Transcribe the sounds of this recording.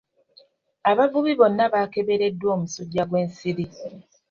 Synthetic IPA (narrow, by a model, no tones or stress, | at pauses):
aβavuβiβo̞nːaβaːke̞βe̞ɾe̞dːwo̞ːmusuɟːaɡwe̞ːnsiɾi